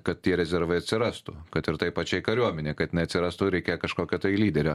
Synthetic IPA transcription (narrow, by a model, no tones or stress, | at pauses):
kɐt̪̚t̪ʲiɛɾʲɛzʲɛɾʋɐɪɐt̪ʲsʲɪɾɑst̪ṵkɐt̪ɪɾt̪ɐɪpɐt͡ʃʲɛɪkɐɾʲuɔmʲɛnʲeːkɐt̪ɪnɛɪɐt̪sʲɪɾɑːst̪uɾʲɛɪkʲeːjɛkɐʃkoːkʲoːt̪ɐɪlʲiːd̪ʲɛɾʲoː